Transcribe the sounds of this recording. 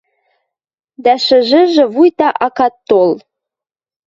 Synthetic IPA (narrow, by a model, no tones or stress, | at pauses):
d̪æʃɘ̆ʒɘ̆ʒĕβujt̪ɑʔɑkɑt̪ːol